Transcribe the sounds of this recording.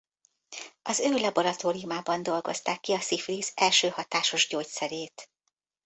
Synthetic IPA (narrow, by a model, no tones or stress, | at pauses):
ɒzøːlɒbo̞ɾɒt̪oːɾijumaːbɒnd̪o̞lɡo̞̰st̪aːkːiɒsifriːzɛlʃøːhɒt̪aːʃo̞ʒɟoːcsɛɾeːt̪